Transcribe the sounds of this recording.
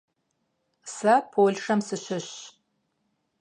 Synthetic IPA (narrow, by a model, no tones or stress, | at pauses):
sɐpʰoɮʂɐmsɨɕɪɕ